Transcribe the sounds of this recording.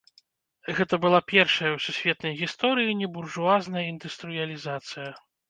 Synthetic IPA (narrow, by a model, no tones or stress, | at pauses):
ɣɛt̪ɐbɨlˠapʲɛrʂɐjɐwsʲusʲvʲɛt̪̚nɐjɣʲist̪ɔɾɨjinʲɛburʐuaznɐjɐind̪ɨst̪ɾɨjɐlʲizat̪sɨjɐ